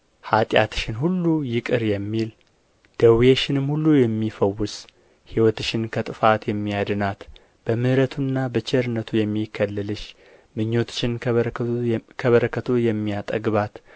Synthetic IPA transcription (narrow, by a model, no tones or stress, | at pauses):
hat̪ʼja̰t̪ɨ̥ʃɪnhulːujɪkʼɨɾjɛmːil | d̪̥əwjeʃɪnɨmhulːujɛmːifəwːʊs | hiwɔt̪ɨʃɪnkʰət̪ʼɨfat̪jɛmːijad̪ɨnat̪ | b̥əmɨhɾət̪ʰunːabət͡ʃɛɾɨnət̪ʰujɛmːikʰːəlːɨlɨʃ | mɨɲːo̞t̪ʃɪn | kʰəβəɾəkʰːət̪ʰojɛmːijat̪ʼə̰ɡβat̪